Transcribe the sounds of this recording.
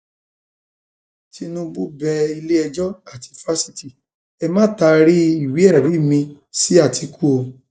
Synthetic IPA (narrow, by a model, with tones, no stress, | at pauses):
ti˧nũ˦bu˦bɛ˧i˧le˦ɛ˧d͡ʒɔ˦a˨ti˧fa˦si˧ti˦˨ | ɛ˧mã˦˨ta˧ɾi˦i˦˨wi˨˦ɛ˦˨ɛ˨bi˨˦˨mĩ˧ | si˨˦a˦˨tʰi˨˧˦ku˦o˧